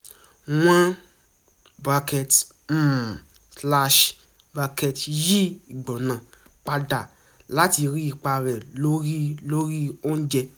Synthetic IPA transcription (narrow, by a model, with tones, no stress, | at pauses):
w̃ã˧ | ba˧kɛ˨t̩ː˦˨ | sla˧ʃ | ba˧kɛ˧tji˦i˨ɡ͡bɔ˨nã˨ | k͡pa˧da˨ | la˨˦ti˧ɾi˦i˨˧˨k͡pa˧ɾɛ˨lo˦ɾi˦lo˦ɾi˦o˦n̩˦d͡ʒɛ˧